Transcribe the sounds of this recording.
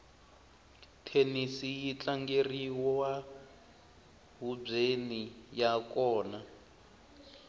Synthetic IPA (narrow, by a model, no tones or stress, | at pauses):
tʰenisijit͡ɬaŋɡeriwɔwa | ɦub͡ʐenijakɔːna